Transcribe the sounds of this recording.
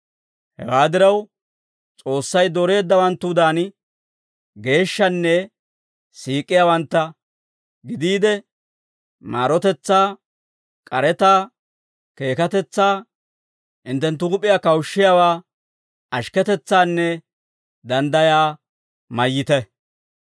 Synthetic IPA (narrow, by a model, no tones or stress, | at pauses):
hɛ̰waːd̪ɪɾɐw | t͡sʼo̞ːsːɐjd̪ɔɾe̞ːd̪ːɐwɐnt̪ːʊd̪aːn | ɡe̞ːʃːɐnːɛ | siːkʼːɪjawɐnt̪ːɐ | ɡɪd̪iːd̪ɛ | maːɾɔt̪ɛt͡sːaː | kʼɐɾɛt̪aː | ke̞ːkɐt̪ɛt͡sːaː | ʔɪnt̪ɛnt̪̬ːʊɡʊpʼːɪjaːkɐwʃːɪjaːwaː | ɐʃkɛt̪ɛt͡sːaːnːɛ | d̪ɐnd̪ɐjaː | mɐjːɪt̪ɛ